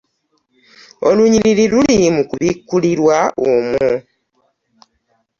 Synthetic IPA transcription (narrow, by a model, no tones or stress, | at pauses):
oluɲiɾiɾilulimukuβikːuliɾwaomu